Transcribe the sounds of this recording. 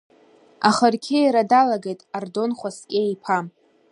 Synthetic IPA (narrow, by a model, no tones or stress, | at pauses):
aχərkʲʰejɾadalaɡejtʼardo̞nχʷaskʲʼeipʰa